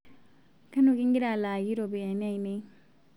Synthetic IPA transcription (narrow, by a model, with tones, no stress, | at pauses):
kɐ˦no˨ki˦ŋɡi˦ɾa˨laː˨ji˦ɾo˨bi˨a˨na˦i˨ne˦